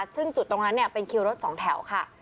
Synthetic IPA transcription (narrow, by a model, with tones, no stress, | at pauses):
sɯ˥˩ŋt͡ɕu˨˩t̪ːo˧ŋna˦˥nːi˥˩ɐpe˧nkʰi˧wɾo˦˥t̪̚sɔː˩˦ŋt̪ʰɛ˩˦wkʰa˥˩